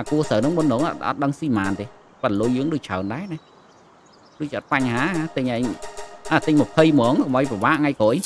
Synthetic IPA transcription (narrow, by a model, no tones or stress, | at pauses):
aːkuəsəwnɨŋmuənːoːŋʔt̪ʔɑ̰t̪̚ɗəŋsiːmaːnt̪eː | pəloəjəːŋɗoːc̚t͡ɕʰaənɗaɛnah | ɗoːc̚t͡ɕiːɑt̪̚paɲɦaːat̪ɨɲʔaɛɲʔaːt̪ɨɲmopʰəjmɔːŋkɔmʔəjpraʋaːʔŋajkɔːʔəj